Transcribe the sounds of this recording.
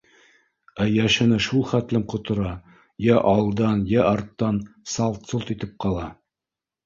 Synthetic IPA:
æjæʃɘ̆nɘʃulˠχæt̪lɘmqŏt̪ŏɾɑ | jæʔɑlˠd̪ɑnjæʔɑɾt̪ːɑnsɑlˠt̪solˠt̪it̪ɘp̚qɑlˠɑ

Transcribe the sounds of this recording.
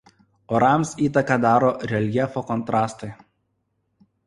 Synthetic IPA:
ɔɾɑˑmsiːt̪ɐkɐd̪ɑːɾoːɾʲɛlʲjɛfoːkɔnt̪ɾɑːst̪ɐɪ

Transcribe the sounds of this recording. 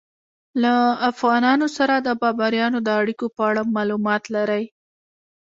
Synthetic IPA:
laafɣɑnɑnosaɾad̪əbɑbaɾjɑnod̪əaɽikopəaɽamɑlumɑt̪laɾaj

